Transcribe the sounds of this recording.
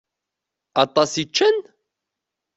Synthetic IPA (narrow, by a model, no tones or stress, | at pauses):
ɑt̪ˤɑsit͡ʃːən